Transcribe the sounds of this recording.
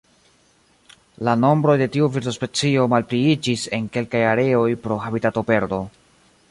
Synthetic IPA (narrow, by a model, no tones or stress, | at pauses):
lano̞mbɾo̞jde̞tiuviɾtospe̞t͡sio̞malpɾiid͡ʒise̞ŋke̞lkajaɾe̞o̞jpɾo̞ɦabitato̞pe̞ɾdo̞